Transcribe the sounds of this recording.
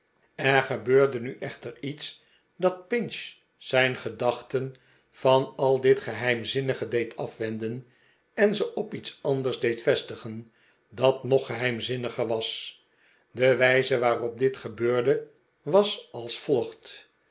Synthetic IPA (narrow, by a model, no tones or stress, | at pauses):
ɛɹχəbøːɹdənyʔɛχtəɹits | dɑt̚pɪnʃ | sɛjnχədɑχtən | fɑnɑlˠdɪtχəɦɛjmzɪnəχədejtʰɑfʋɛndən | ɛnzəʔɔpitsɑndəɹzdejtfɛstəχən | dɑtnɔχəɦɛjmzɪnəχəɹʋɑs | dəʋɛjzəʋaːrɔp̚dɪtχəbøːɹdə | ʋɑsɑlˠsfɔlˠχt